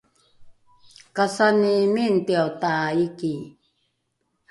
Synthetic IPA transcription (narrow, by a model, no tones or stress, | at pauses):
kasanimint̪iawt̪aiki